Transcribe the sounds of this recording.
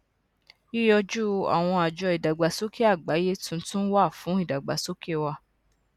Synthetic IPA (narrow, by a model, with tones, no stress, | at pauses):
i˦jɔ˧d͡ʒu˦a̰˨w̃ɔ̃˧a˨d͡ʒɔ˧i˨da˨ɡ͡ba˨so˦ke˦a˦˨ɡ͡ba˨˦je˦tũ˦˧n̩˦tũ˦wa˦˨fũ˨˦i˦˨da˨ɡ͡ba˨so˦ke˦wa˧